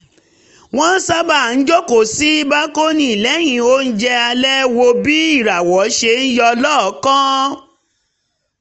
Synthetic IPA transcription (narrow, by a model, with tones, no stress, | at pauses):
w̃ɔ̃˦n̩˦sa˦ba˦˨n̩˨˦d͡ʒo˦ko˦˨si˨˦i˦ba˦ko˦nĩ˦i˨lɛ˨˦j̃ĩ˧o˦n̩˦d͡ʒɛ˧a˧lɛ˦wo˧bi˦i˦˨ɾa˨wɔ˨˦ʃe˧n̩˦jɔ˧lɔ˦˨˦kã˦